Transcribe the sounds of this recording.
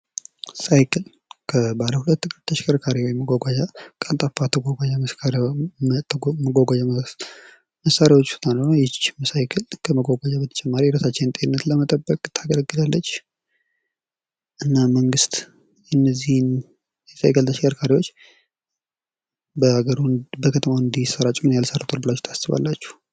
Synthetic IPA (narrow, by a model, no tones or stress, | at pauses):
sajkʰɨl | kʰəbaləhulət̪ːɨkʼɨɾt̪ʰəʃkʼəɾkʰaɾiwɔjməɡʷaɡʷad͡ʒakʼant̪ʼafat̪ʰəɡʷaɡʷad͡ʒaməsʰaɾ | məɡʷaɡʷad͡ʒam | məsːaɾjawo̞t͡ʃːsu̥t̪ʼanənojɛt͡ʃːməsajkʰɨlkʰəməɡʷaɡʷad͡ʒabət̪ʰə̥t͡ʃʼɛmːaɾiɾəsat͡ʃːɛnt̪ʼenɨnːət̪ləmət̪ʼəbːəkʼt̪ʰːaɡələɡːɨd̪alːət͡ʃː | ʔɨnːaməŋɡɨst̪ | ɨnːəzːihn | ɛsa̰jkʰəlt̪ʰəʃɛaɾkʰaɾiwot͡ʃː | bəhaɡəɾubəkʰət̪ʰəmaɨnd̪isəɾat͡ʃʼmːɨnjalsəɾt̪ʼoɾbɨlat͡ʃːu̥t̪ʰasɨβa̰lːat͡ʃːu̥h